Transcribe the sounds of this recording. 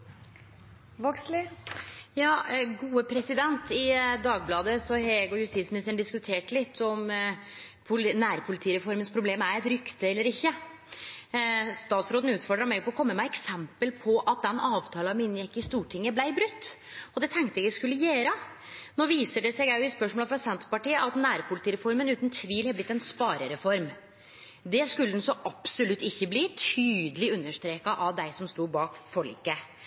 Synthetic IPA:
ʋɔkslɪ | jɑːɡuːəpʰɾɛsɪd̪ɛnt̪ɪd̪ɑːɡ̚blɑːd̪əsɔhɛɡɔjʉst̪iːtsmɪnɪst̪əɳɖ̪ɪskʉt̪ʰeːʈlɪt̪ʰːɔm | pʰʊnæːɾpʰʊlɪt̪ʰiːɾɛfɔɾmənspʰɾʊbleːmæɾɛt̪ɾʏkt̪əɛlːəɾɪçːə | st̪ɑːt̪sɾoːd̪n̩ʉːt̪fɔɖɾɑmɛɡpʰɔkʰɔmːəmæɪɛksɛmpəlpʰɔʔɑt̪̚d̪ɛnɑːʋt̪ʰɑːlɑmɪnjɛkːɪst̪uːʈʰɪŋːəblæɪbɾʉt̪ː | ɔd̪ɛt̪ʰɛŋk̚t̪əɛɡskʉlːəjeːɾə | noːʋiːsəɖɛsɛɡjæɪɪspœʂmoləfɾɑsɛnt̪pɑʈiːəʔɑt̪næːɾpʰʊlɪt̪iːɾɛfɔɾmənʉːt̪n̩t̪ʰʋiːlhɛblɪt̪ːɛnspɑːɾəɾɛfɔɾm | d̪ɛskʉlːəd̪nsɔʔɑpsʊlʉt̪ːɪçːəbliːt̪ʰyːd̪əlɪʉnːəʂt̪ɾeːkɑʔɑʋd̪æɪsɔmst̪uːbɑːkfɔɭḭːkːə

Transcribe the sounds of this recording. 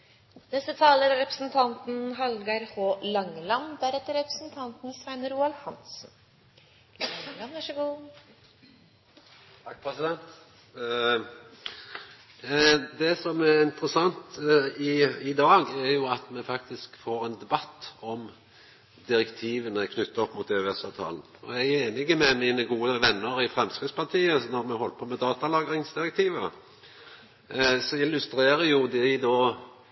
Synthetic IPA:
nɛst̪ət̪ʰɑːləɾɾɛpɾəsn̩t̪ʰɑnt̪n̩ɦɑlɡɑɾhoːlɑŋːlɑmbæɾɛt̪ːəɾɛpɾə̥sn̩t̪ʰɑnt̪n̩sʋæɪnəɾuːɑlhɑnsn | llɑmʋæʂəɡuː | t̪ʰɑk̚ːpʰɾɛsɪd̪ɛnt̪ | d̪ɛsɔmæʁɪnt̪ɾəsɑnt̪ɪɪd̪ɑːɡæɾjʊɑt̪mɛfɑk̚t̪ɪskfoːʁɛnd̪ɛbɑt̪ːɔm | d̪ɪɾɛkt̪ʰiːʋənəkʰnʏt̪ːəɔpːmut̪øøɛsɑːʋt̪ʰɑ̰ːln̩ɔ̰jæɪæeːnɪɡəmɛmiːnəɡuːəəʋɛnːəɾɪfɾɛmskʁɪd̪spʰɑʁt̪ʰiːənɔɾmɛhɔlːəpʰomɛd̪ɑːt̪ɑlɑːɡɾɪŋsd̪ɪʁɛkt̪ʰiːʋə | sɔɪlːʉst̪ɾeːɾəjʊd̪ɛd̪ɔ

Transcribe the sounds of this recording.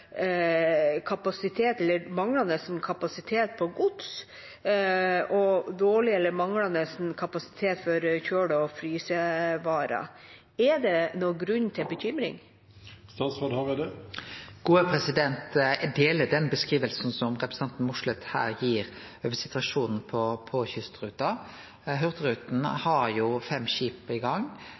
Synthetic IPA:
kʰɑpɑsɪt̪ʰeːt̪ɛlːəɾmɑŋɽɑnəsn̩kʰɑpɑsɪt̪ʰeːt̪̚pʰɔɡʊd̪s | ʔɔd̪oːɭɪɛlːəɾmɑŋlɑnəsn̩kʰɑpɑsɪ̥t̪ʰeːt̪fɔɾçøːɖəɔfɾyːsəʋɑːɾɑ̰ | ɛd̪ɛnɔɡɾʉnːt̪ʰɪlbəçʏmɾɪ̰ŋ | st̪ɑːt̪sʁɑd̪hɑʋɪd̪ɛ | ɡ̥uːəpʰɾɛsɪd̪ɛnt̪ɛd̪eːləd̪ɛnbəskɾiːʋəlsn̩sɔmɾɛpɾəsɑnt̪n̩mʊʂɭɛt̪hæ̰ːɾjiːɾ | øːʋəsɪt̪ʉɑʂuːnn̩pʰɔpʰɔçʏst̪ɾʉːt̪ɑ | ɦœʁt̪ɾʉːt̪n̩hɑɾjʊfɛmːɕiːpɪɡɑŋ

